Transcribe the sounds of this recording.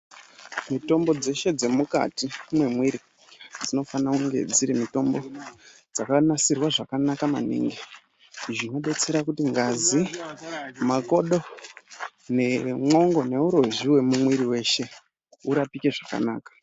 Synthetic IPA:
mito̞mbo̞d͡ze̞ʃe̞d͡ze̞muka̰timwe̞mwiɾi | d͡zino̞fanakuŋɡe̞̰d͡ziɾimito̞mbo̞ | d͡zakanasirwaʐakanakama̰nḭŋɡe | ʐino̞ɓe̞t͡se̞ɾakutiŋɡazi | mako̞ɗo̞ | ne̞mo̞ŋɡo̞ne̞uɾo̞ʒiwe̞mumwiɾiwe̞ʃe̞ | uɾapike̞ʐaka̰naːkḁ

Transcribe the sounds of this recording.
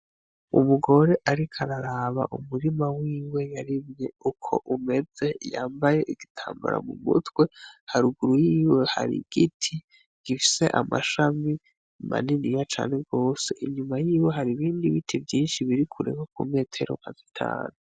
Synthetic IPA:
ṵmuɡo̞ɾe̞ʔaɾikʰaɾaɾaːβa̰ʔumuɾimawiːwe̞jaɾimɲe̞ukʰo̞̰ʔume̞d͡ze̞jaːmbaje̞ʔiɡitʰaːmba̰ɾa̰mumṵtwe̞haɾuɡuɾujiːwe̞ha̰ɾḭɡ̥itʰi | ɡ̥ifi̥se̞ʔama̰ʃami | ma̰ninijat͡ʃa̰ːne̞ɡo̞ːse̞ʔiɲumajiːwe̞ɦaɾiβiːndiβitʰivjiːnʃiβiɾikʰuɾḛŋok̚ume̞ːtʰe̞ɾo̰mazitʰa̰ːnu

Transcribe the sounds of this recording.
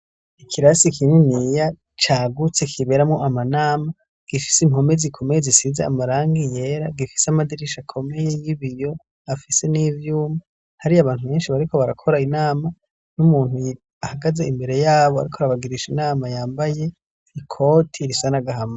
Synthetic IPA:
ikʰiɾasikʰininija | t͡ʃaːɡut͡se̞kʰiβe̞ɾamŋoʔamanaːma | ɡ̥ifi̥seimho̞mezikʰo̞mejezisizaa̰maɾaːŋɡije̞ːɾaɡifi̥seamadiɾiʃakʰo̞me̞je̞jiβijo̞ | afise̞nivjuːma | haɾiaβaːn̥thuβe̞ːnʃiβaɾiko̞βaɾakʰo̞ɾainaːma | numuːnu | ahaɡaze̞imbe̞ɾe̞jaːβoa̰ɾikʰoɾaβaɡiɾiʃinaːmajaːmbaje̞ | ikʰo̞tʰiɾisanaɡaɦama

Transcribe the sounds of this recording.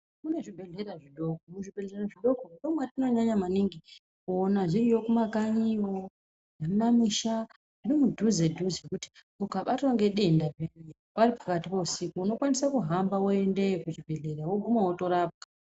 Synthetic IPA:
kune̞ʐibʱe̞ɮe̞ɾaʐiɗo̞kouʐibʱe̞ɮeeraʐiɗo̞koɗomwatino̞ɲaɲamaniŋɡi | konaʐirijo̞kumakaɲio̞ | nemunamiʃa | ʐ̥irimudʱuzedʱuzkuti̥ | ukaɓatiwaŋɡe̞ɗe̞ndaʐene | paripḁkatipousikuuno̞kwanisakuɦambaoe̞ndekut͡ʃibʱe̞ɮe̞ɾawoɡʱumawoto̞ɾap̚ɡa

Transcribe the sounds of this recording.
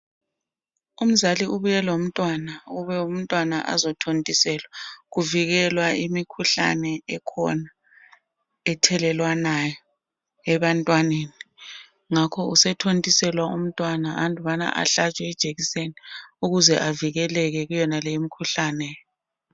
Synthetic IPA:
um̩zaliuβujɛlom̩tʼwanauβɛum̩tʼwanaʔa̰zɔtʰontʼisɛlwaɣuviɣɛlwaimikʰuɬa̰nɛɛkʰɔ̰na | ɛtʰɛlɛlwanajɔ | ɛβantʼwaneni | ŋakʰɔusɛtʰontʼisɛlwaum̩tʼwanaandʱʼuβana̰ʔa̰ɬat͡ʃʼwɛɛd̥ʒ̥ʱeɣiseniuɣuzɛʔaviɣɛlɛɣɛɣujɛnalɛjimikʰuɬanɛj

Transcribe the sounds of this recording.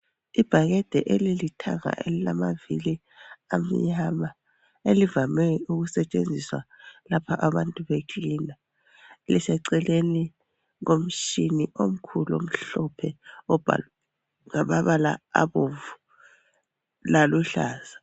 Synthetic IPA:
ib̥ʱaɣɛd̥ʱɛʔelilitʰaŋa̰ʔḛlilamavḭli | am̩ɲama | elivamɛuɣusɛt͡ʃʼend͡zʱiswa̰lapʰaʔaβantʼuβekʰʼiːna | lisɛǀɛleni | ŋom̩ʃiniʔom̩kʰulo̰m̩ɬɔpʰɛɔb̥ʱa̰ | ŋaβaβala̰a̰βoɱvu | laluɬaːz̥a

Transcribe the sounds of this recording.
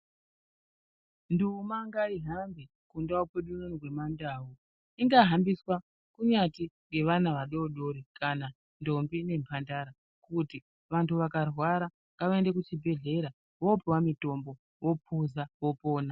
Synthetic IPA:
ndumaŋɡaiɦambi | kundaupeɗunonirwe̞mandaːwu | iŋɡaɦambiswa | kuɲatiŋɡe̞ʋanaʋaɗo̞ɗoɾikʰana | ndo̞mbine̞mpʰandaɾa | kuti | ʋantuʋakarwaɾa | ŋɡaʋaende̞kut͡ʃibʱe̞ɮe̞ɾa | ʋopiwamito̞mbo̞ | wo̞pʰuzawo̞po̞ːna

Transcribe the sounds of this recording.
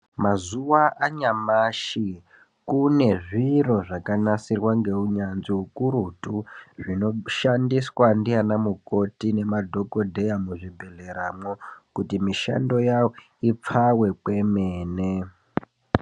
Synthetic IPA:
mazuwaʔaɲamaʃi | kune̞ʐiro̞ʐakanasirwaŋɡe̞uɲanziukuɾutuʐino̞ʃandiswandianamuko̞tine̞madʱo̞ko̞dʱe̞jamuʐibʱeɮe̞ɾamokutimiʃa̰ndo̞jawo | ip͡fawe̞kwe̞meːne

